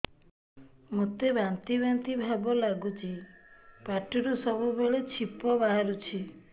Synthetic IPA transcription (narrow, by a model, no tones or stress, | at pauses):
mut̪ebant̪ibant̪ibʱabɔlaɡut͡ʃʰipaʈiɾusɔbubeɭet͡ʃʰipɔbaɦaɾut͡ʃʰi